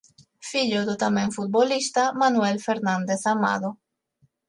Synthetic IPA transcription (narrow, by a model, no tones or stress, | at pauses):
fiʎoðut̪amẽŋfut̪̚bolist̪amanwelfeɾnãnd̪eθama̰ðo